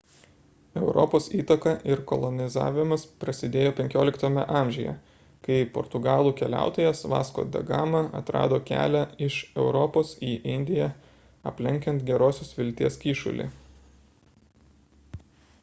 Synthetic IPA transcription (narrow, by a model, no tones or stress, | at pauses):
ɛʊɾɔ̰poːsiːt̪ɐkɐʔɪɾkɔlˠɔnʲɪzɑ̰ːʋʲɪmɐspɾɐsʲɪd̪ʲeːjoːpʲɛŋʲkʲoːlʲɪkt̪oːmʲɛ̰ʔɑːˑmʲʒʲɪjɛ̰ | kɐɪpɔ̰ɾt̪ʊɡɑːlˠuːkʲɛlʲæ̰ˑʊt̪oːjɛsʋɑ̰ːsko̰ːd̪ʲɛ̰ɡɑːmɐɐ̰t̪ɾʔɑ̰ːd̪oːkʲæ̰ːlʲɛɪʃɛʊɾɔpoːsiːʔɪnʲd̪ʲɪjæ | ɐ̰pʲlʲɛŋʲkʲɛnt̪ɡʲɛɾoːsʲoːsʋʲɪlʲt̪ʲiɛskʲiːʃʊ̰lʲɪ̰